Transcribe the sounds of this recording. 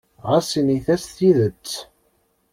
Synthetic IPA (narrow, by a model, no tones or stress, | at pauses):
ʁasiniθæsθiðət͡sː